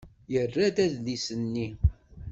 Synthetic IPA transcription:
jərːædæððisənːi

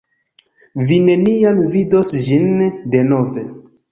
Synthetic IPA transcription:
vine̞niamvidosʒinde̞no̞ve̞

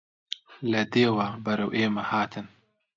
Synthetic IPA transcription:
lɐd̪eːwɐbɐɾɐwʔeːmɐhaːt̪ʰɨn

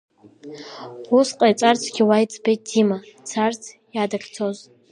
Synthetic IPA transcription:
usqʼajt͡sʼart͡sʷʰʼɡʲiwajt͡sʰʼbejt̚dimat͡sʰart͡sʰ | jadaχʲt͡sʰoz

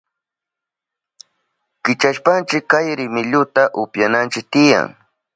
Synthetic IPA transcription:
kɪt͡ʃaʃpant͡ʃɪkːajɾɪmɪʎʊt̪aʔʊpjanant͡ʃɪk̚t̪ɪja̰ŋ

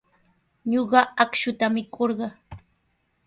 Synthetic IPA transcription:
ɲoɢɑakʃʊt̪amɪkʰoɾɢɑ

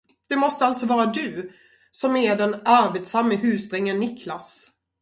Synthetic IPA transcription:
d̪̥ɛmɔst̪əalt̪sɔvɑːɾad̪ɵ | sɔmæɖɛnaɾbeːt̪samːəhʉ̟ːsd̪ɾɛŋːənːɪkʰla̰s

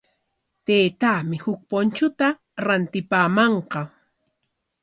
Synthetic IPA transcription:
t̪eːt̪aːmɪhʊk̚pont͡ʃʊt̪a | ɾant̪ɪpaːmɑɴqɑ

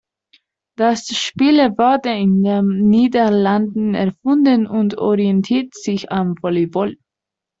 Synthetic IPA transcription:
d̥asʃpiːləvɔdəɪndemniːdɐlandn̩ɛ̰ɐfʊndənʊntɔ̰ʁiɛntʰiːɐtz̥ɪçamvɔlibɔl

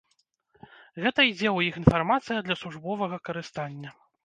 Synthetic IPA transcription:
ɣɛt̪ɐid͡zʲɛwjixinfarmat̪sɨjɐd̪lʲɐsuʐbɔvɐɣɐkɐɾɨst̪anʲːɐ

